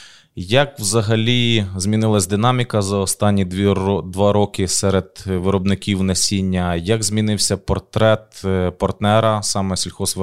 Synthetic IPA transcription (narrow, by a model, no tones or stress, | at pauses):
jɐkwzɐɦɐlʲizʲmʲinɪlˠɐsʲd̪ɪnɑmʲikɐzɐɔst̪ɑnʲːid̪ʋɑɾɔkɪsɛɾed̪ʋɪɾɔbnɪkʲiwnɛsʲinʲːɐjɐɡzʲmʲinɪwsʲɐpɔrt̪ɾɛt̪pɔrt̪nɛɾɐsɑmɛsʲilʲxɔsʋ